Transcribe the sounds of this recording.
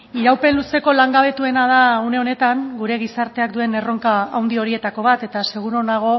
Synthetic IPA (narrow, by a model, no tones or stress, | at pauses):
iɾawpe̞nluse̞ko̞laŋɡaβ̞e̞t̪ue̞nað̞aune̞o̞ne̞t̪aŋɡuɾe̞ɣ̞isaɾt̪e̞ak̚d̪ue̞ne̞ro̞ŋkaawnd̪io̞ɾie̞t̪ako̞β̞at̪e̞t̪ase̞ɣ̞uɾo̞naɣ̞o̞